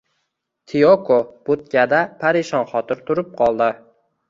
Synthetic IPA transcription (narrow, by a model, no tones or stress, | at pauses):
t̪ʰiokʰob̥ʊt̪̚kʲad̪apʰaɾɪʃɒnχɒt̪ʰɪɾt̪ʰʊɾɪp̚qʰɒlˠd̪ɪ